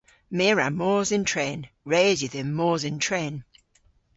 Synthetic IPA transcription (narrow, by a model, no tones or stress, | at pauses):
meːɹamɔːzɪ̃ntʰɹeːn | ɹeːziðɪmːɔːzɪntʰɹeːn